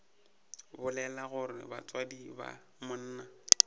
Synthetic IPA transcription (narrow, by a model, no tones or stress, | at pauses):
bʊlɛlaɣʊrɪ̰ba̰t͡swadiba̰ | mʊn̩ːna